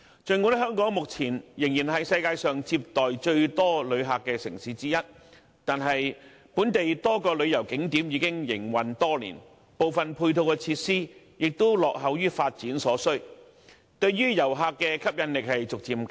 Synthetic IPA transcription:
t͡ʃɵ˨˧ŋu˨˥nɦœː˥ŋkɔː˨˥ŋmʊ˨k̚t͡sʰiː˨˩njɪ˨˩ŋjiː˨˩nɦɐ˨jsɐ˧jkaː˧jsœː˨ŋt͡siː˧p̚t̪ɔː˨jt͡ʃɵ˧ɥt̪ɔː˥lɵ˨˧ɥɦaː˨kːɛː˧sɪ˨˩ŋsiː˨˥t͡siː˥jɐ˥t̚ | t̪aː˨nɦɐ˨j | puː˨˥nt̪e˨jt̪ɔː˥kɔː˧lɵ˨˧ɥjɐ˨˩wkɪ˨˥ŋt̪iː˨˥mjiː˨˧kɪ˥ŋjɪ̰˨˩ŋwɐ˨nt̪ɔː˥lḭː˨˩n | po˨wfɐ˨npʰuː˧jt̪ʰo˧wkɛ˧t͡sʰiː˧t̚siː˥ | jɪ˨k̚t̪o˥wlɔː˨k̚ɦɐ˨˧wjyː˥faː˧t̚t͡siː˨˥nsɔː˨˥sɵ˥ɥ | t̪ɵ˧ɥɥyː˥jɐ˨˩wɦaː˧kːɛː˧kʰɐ˥p̚jɐ˨˧nlɪ˨k̚hɐ˨jt͡sʊ˨k̚t͡siː˨˩mk

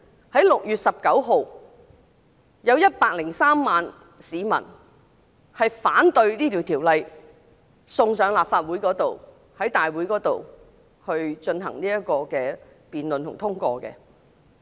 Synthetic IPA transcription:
hɐ˨˥jlʊ˨k̚jyː˨˩t̚sɐ˨p̚kɐ˨˥wɦo˨w | jɐ˨˧wjɐ˥t̚paː˧k̚lɪ˨˩ŋsaː˥mːaː˨n | siː˨˧mɐ̰˨˩n | hɐ˨jfaː˨˥nt̪ɵ˧ɥniː˥t̪ʰiː˨˩wt̪ʰiː˨˩wlɐ˨j | sʊ˧ŋsœː˨˧ŋlaː˨˩p̚faː˧t̚wuː˨˥jkɔː˨˥t̪o˨w | hɐ˨˥jt̪aː˨jwu˨˥jkɔː˨˥t̪o˨w | hɵ˧ɥt͡ʃɵ˧nɦɐ̰˨˩ŋniː˥jɐ˥t̚kɔː˧kɛː˧ | piː˨nlɵ˨nt̪ʰʊ˨˩ŋt̪ʰʊ˥ŋkʷɔː˧kɛ̰˧

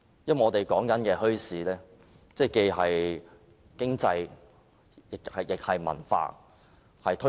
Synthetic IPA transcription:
jɐ˥m˨ŋɔː˨˧t̪e˨jkɔː˨˥ŋkɐ˨˥nkɛː˧hɵ˥ɥsiː˨˥lɛː˥ | t͡sɛː˥˩ke˧jɦɐ˨j | kɪ˥ŋt͡sɐ˧j | jɪ˨khɐ˨jɪ˨k̚hɐ˨jmɐ̰˨˩nfa̰ː˧ | hɐ˨jt̪ʰɵ˥

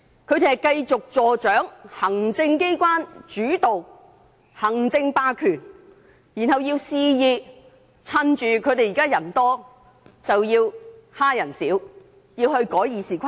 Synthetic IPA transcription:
kʰɵ˨˧ɥt̪e˨˩hɐ˨˩jkɐ˧jt͡sʊ˨k̚t͡sɔː˨˩t͡ʃœː˨˥ŋhɐ˨˩ŋt͡sɪ˧ŋke˥jkʷwaː˥nt͡ʃyː˨˥t̪o˨w | hɐ˨˩ŋt͡sɪ˧ŋpaː˧kʰyː˨˩n | jiː˨˩nhɐ˨˩wjiː˧wsiː˧jiː˧ | t͡sʰɐ˧nt͡ʃyː˨kʰɵ˨˧t̪e˨jiː˨˩kaː˥jɐ˨˩nt̪ɔː˥ | t͡sɐ˨wjiː˧whaː˥jɐ˨˩nsiː˨˥w | jiː˧whɵ˧ɥkɔː˨˥jjiː˨˧siː˨kʰʷa˥

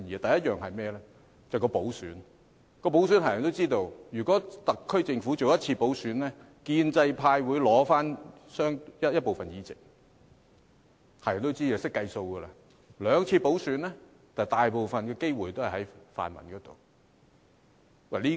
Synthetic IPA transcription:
iː˨t̪ɐ˨jɐ˥t̚jœː˨ŋɦɐ˨jmɛː˥lɛː˥ | t͡sɐ˨kɔː˧po˨˥wsyː˨˥n | kɔː˧po˨˥ws̬y˨˥nhaː˨˩jɐ˨nt̪o˥wt͡siː˥t̪o˧wjyː˨˩kɔ˨˥t̪ɐ˨kʰːɵ˥ɥt͡sɪ˧ŋfu˨˥t͡so˨wjɐ˥t̚t͡sʰiː˧po˨˥wsyː˨˥nɛː˥ | kiː˧nt͡sɐ˧jpʰaː˧jwuː˨˧jlɔː˨˥faː˥n | sœː˥ŋjɐ˥jɐ˥t̚po˨wfɐ˨njiː˨˩t͡sɪ˨˩k̚ | haː˨˩jɐ˨˩nt̪o˥wt͡siː˥ɐ˨sɪ˥kːɐ˧jso˧wɡəː˧laː˧ | lœː˨˧ŋt͡sʰiː˧po˨˥wsyː˨˥nlɛ˥ | t̪aː˨˩jt̪aː˨jpo˨wfɐ˨nkɔː˧ke˥jwu˨˩jt̪o˥wɐ˨jɦɐ˨˦˥jfa̰ː˨nmɐ˨˩nkɔː˨˥t̪o̰˨˩w | wɐ˨˩liː˥

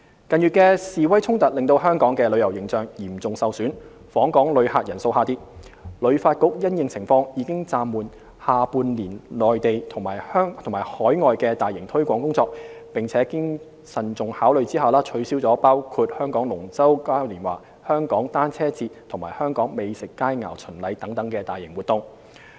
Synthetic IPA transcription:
kɐ˨njyː˨t̚kɛː˧siː˨wɐ˥jt͡sʰʊ˥ŋt̪ɐ˨t̚lɪ˨ŋt̪o˧wɦœː˥ŋkɔː˨˥ŋkɛː˧lɵ˨˧ɥjɐ˨˩wjɪ˨˩ŋt͡sœː˨ŋjiː˨˩mt͡sʊ˨ŋsɐ˨wsyː˨˥n | fɔː˨˥ŋkɔː˨˥ŋlɵ˨˧ɥhaː˨˧t̚jɐ˨˩nso˧whaː˧t̪iː˥lɵ˨˧ɥfaː˧t̚kʊ˥k̚jɐ˥njɪ˨˧ŋt͡sʰɪ˨˩ŋfɔː˧ŋjiː˨˧˥kɪ˥ŋt͡saː˧mːuː˨n | haː˨puː˧nliː˨˩nlɔː˨jt̪e˨jt̪ʰʊ˨˩ŋmaː˨˩hœː˥ŋt̪ʰʊ˨˩ŋmaː˨˩jhɔː˨˥jŋɔː˨jkɛː˧t̪aː˨jɪ˨˩ŋt̪ʰɵ˥ɥkʷɔː˨˥ŋkʊ˥ŋt͡sɔː˧k̚pɪ˨ŋt͡sʰɛː˨˥kɪ˥ŋ | sɐ˨nt͡sʊ˨ŋhaː˨˥wlɵ˨˧ɥt͡siː˥haː˨˩wlaː˥t͡ʃʰɵ˨˧˥ɥsiː˥wt͡sɔː˨˥paː˥wkʰuː˧t̚hœː˥ŋkɔː˨˥ŋlʊ˨˩ŋt͡sɐ˥wkaː˥wliː˨˩nwa̰ː˨˩ | hœː˥ŋkɔː˨˥ŋt̪aː˥nt͡sʰɛː˥t͡siː˧t̚t̪ʰʊ˨˩ŋmaː˨˩hœː˥ŋkɔː˨˥ŋme˨˧jsɪ˨kːaː˥jŋa̰ː˨˩wt͡sʰɵ˨˩nlɐ˨˧jt̪ɐ˨˥ŋt̪ɐ˨˥ŋkɛː˧t̪aː˨jɪ˨˩ŋwuː˨˩t̪ʊ˧ŋ

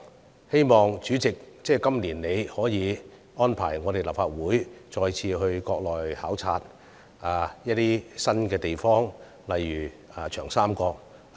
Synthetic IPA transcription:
he˥jmɔː˨˩ŋt͡ʃyː˨˥t͡sɪ˨k̚t͡sɛː˥˩kɐ˥mliː˨˩nne˨˧jhɔː˨˥jiː˨˧ | ɔː˥npʰa̰ː˨˩jŋɔː˨˧ɾe˨˩jla̰˨p̚faː˧t̚wuː˨˥jt͡ʃɔː˧jt͡sʰiː˧ɦɵ˧ɥkɔː˧k̚lɔː˨˩jhaː˨˥wt͡sʰaː˧t̚ | aː˨˩jɐ˥t̚t̪ːiː˥sɐ˥nkɛː˧t̪e˨jfɔː˥ŋ | lɐ˨jːyː˨˩ | a˨t͡ʃʰœː˨˩ŋsaː˥mkɔː˧k̚

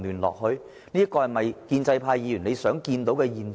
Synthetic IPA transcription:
lyː˨˩nlɔ̰ː˨k̚hɵ˧ɥ | niː˥ɐ˥kɔː˧hɐ˨˩mɐ˨jkiː˧nt͡sɐ˧jpʰaː˧jːiː˨˧jy˨˩ne˨˧jsœː˨˥ŋkiː˧nt̪o˨˥wkɛː˧jiː˨n

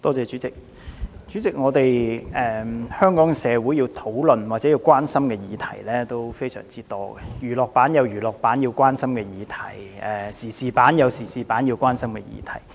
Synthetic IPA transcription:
t̪ɔː˥t͡sɛː˨˧t͡ʃyː˨˥t͡sɪ˨k̚ | t͡ʃyː˨˥t͡sɪ˨k̚ŋɔː˨˧t̪e˨jɛː˨˩hœː˥ŋkɔː˨˥ŋsɛː˨˧wuː˨˥ji˧wt̪ʰo˨˥wlɵ˨nwaː˨˩t͡sɛ˨˥ji˧wkʷwaː˥nsɐ˥mkɛː˧jiː˨˧t̪ʰɐ̰˨˩jlɛː˥t̪o˥wfe˥jsœ̰ː˨˩ŋt͡siː˥t̪ɔː˥ɡɛ˨jyː˨˩lɔː˨k̚paː˨˥njɐ˨˧wjyː˨˩lɔː˨k̚paː˨˥nji˧wkʷaː˥nsɐ˥mkɛː˧jiː˨˧t̪ʰɐ˨˩jɛ˨˩siː˨˩siː˨paː˨˥njɐ˨˧wsiː˨˩siː˨paː˨˥njiː˧wkʷaː˥nsɐ˥mkɛ˧jḭː˨˧t̪ʰɐ˨˩j

